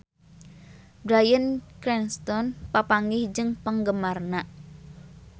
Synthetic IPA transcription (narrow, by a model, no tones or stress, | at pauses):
bɾajənkɾɛnst̪ɔnpapaŋɡɪhd͡ʒɨŋpəŋɡəmarnaʔ